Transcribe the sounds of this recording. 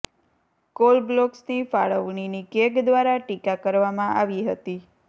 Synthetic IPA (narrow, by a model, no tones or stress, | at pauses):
kolblɔksnifaɭəʋɳinikekd̪ʋaɾaʈikakəɾʋamãʔaʋiɦət̪i